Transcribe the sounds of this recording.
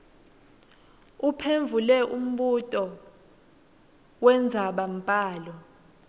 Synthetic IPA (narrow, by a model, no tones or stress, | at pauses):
upʰeɱvʱulɛʔum̩ɓutʼɔ | wɛnd͡zʱaɓam̩pʼaːlɔ